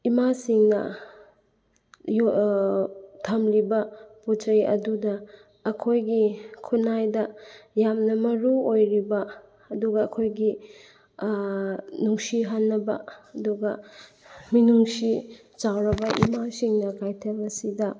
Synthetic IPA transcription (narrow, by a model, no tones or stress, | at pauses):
imasiŋnɐ̰ | j | tʰɐmɾibɐputɐɾiʔɐ̰dudɐ | ɐkʰojɡikʰunajdɐjamnɐmɐɾuojɾibɐ | ɐduɡɐːkʰojɡi | nuŋsiɦanːɐbɐ̰ɐduɡɐ | minuŋsi | t͡ʃawɾɐbɐʔḭmasiŋnɐkajtʰemɐsidɐ